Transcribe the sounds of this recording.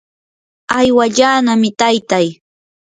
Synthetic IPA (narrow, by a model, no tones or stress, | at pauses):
ajwaʎaːnamɪt̪ajt̪aj